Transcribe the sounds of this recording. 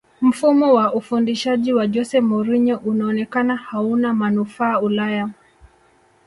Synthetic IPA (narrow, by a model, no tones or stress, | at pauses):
m̩fumɔwaʔufundiʃaʄiwaʄɔsɛmɔɾiɲɔʔunaɔnɛkanahaunamanufaːulaja